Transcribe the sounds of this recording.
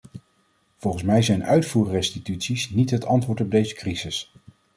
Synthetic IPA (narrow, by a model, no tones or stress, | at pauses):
v̥ɔlˠχən̩smɛjzɛjnœɥtfuːrrɛstitytsisnitɦətɑntʋʊːɹtɔb̚dejzəkrizɪs